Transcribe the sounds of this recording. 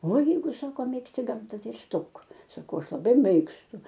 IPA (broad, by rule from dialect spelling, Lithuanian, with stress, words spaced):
ˈʋɑːˈjɛɪɡʊ ˈsɑːkoː ˈmʲeːksʲtʲɪ ˈɡɐmtɐ ˈtɐɪ ɪr ˈstoːk sɐˈkɐʊ ˈɐʃ lˠɐˈbɐɪ ˈmʲeːkstʊ